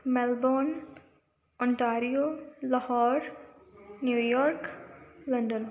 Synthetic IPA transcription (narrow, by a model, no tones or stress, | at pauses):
mɛlbɔːn | ɔ̃ɳʈaːɾijolɔhɔːɾ | njuːjɔːɾkləɳɖən